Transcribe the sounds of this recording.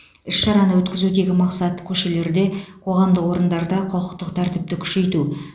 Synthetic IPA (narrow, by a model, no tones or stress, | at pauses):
ʏʃʃɑɾɑnəwɵt̪kʲɪzud̪e̞ɡʲɪmɑqsɑt̪ːə̥kʲʰɵʃe̞le̞ɾd̪e̞qʰo̞ʁɑmd̪əwo̞ɾənd̪ɑɾd̪ɑqʰoqəqt̪əqt̪ʰæɾt̪ɪp̚t̪ɪkʲʰʏ̥ʃe̞jt̪u